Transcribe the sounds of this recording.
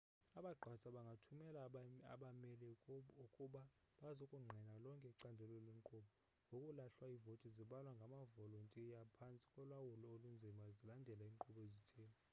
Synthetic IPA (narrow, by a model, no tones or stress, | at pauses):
aɓaɡ͡ǃʱwasʼaɓaŋɡʱatʰumɛla̰ɓamɛlɛukʼuɓa | ɓazokʼuŋ͡ǃʱɛnalɔŋkʼɛǀandʱɛlɔlwɛŋkʼɔɓɔ | ŋɡʱokʼulaɬwaivotʼiziɓalwaŋɡʱamavɔlɔntʼijapʰant͡sʼi̥kʼɔlwawulɔolund͡zʱimazilandʱɛlaiːŋǃʰʼuɓɔezitʰeːna